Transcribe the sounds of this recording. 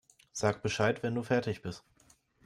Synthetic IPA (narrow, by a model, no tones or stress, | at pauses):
z̥aːkb̥əʃaɪtv̥ɛnduːfɛɐtɪçb̥ɪst